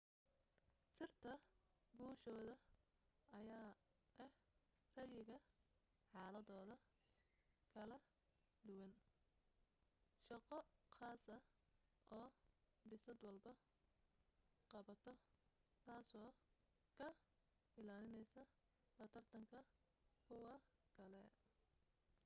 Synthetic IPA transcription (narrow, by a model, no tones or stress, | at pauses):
sɪrt̪ʰɐbuːʃɔːðɐ | ɐjaː | ʔɛh | rɐjɪɣɐ | ħɑːlɐðɔːðɐ | kʰɐlɐ | d̪ʊwɐn | ʃɐqɔxɑːsɐ | ʔɔː | bɪsɐd̪wɐlbɐ | qɑβɐt̪ʰɔt̪ʰaːsɔː | kʰɐ | ɪlaːlɪnɛjsɐ | lɐt̪ʰɐrt̪ʰɐŋkʰɐ | kʰʊwɑkʰɐlɛ